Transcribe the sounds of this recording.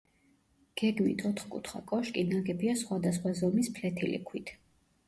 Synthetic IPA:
ɡ̥ɛɡmḭt̪ʰɔt̪ʰχkʼṵt̪ʰχa̰kʼɔʃkʼinaɡɛbiasχwad̪asχwazɔmispʰlɛt̪ʰilḭkʰwit̪ʰ

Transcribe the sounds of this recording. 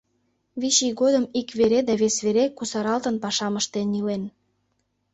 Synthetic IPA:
βiʃiɡod̪əmikβeɾed̪ɑβesβeɾekusɑɾɑlt̪ənpɑʃɑməʃt̪enilen

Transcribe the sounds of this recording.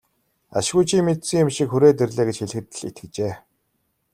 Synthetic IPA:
a̰ʃɣuːjt͡ɕʰiːmet̪sɘ̆ŋjʊmʃikxuɾeːt̪erɮeːɡet͡ɕxeɮ̆xɘ̆t̪̆ɮḭt̪ɘ̆kt͡ɕeː

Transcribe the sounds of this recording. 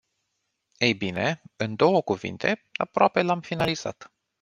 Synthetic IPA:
ejbine̞ɨnd̪o̞wəkuvḭnt̪ʰe̞a̰pɾoape̞lamfinaliz̥a̰t̪

